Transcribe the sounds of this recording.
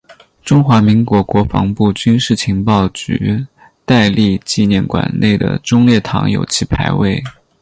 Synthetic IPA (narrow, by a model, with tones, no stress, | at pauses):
ʈ͡ʂʊ˥ŋxwa˧˥mi˧˥ŋkwɔ˧˥kwɔ˧˥fɑ̰˧˥ŋpu˥˩t͡ɕy˥nʂɻ̩˥˩t͡ɕʰi˧˥ŋpɑ˥˩ʊt͡ɕy̰˧˥ | t̪a˥˧ɪli˥˧t͡ɕi˥˧njɛ˥˩nkwa̰˨˩nne˥˩ɪd̪ə̰˩ʈ͡ʂʊ˥ŋljɛ˥˩t̪ʰɑ̰˧˥ŋjo̰˨˩ʊt͡ɕʰi˧˥pʰa˧˥ɪwe˥˩ɪ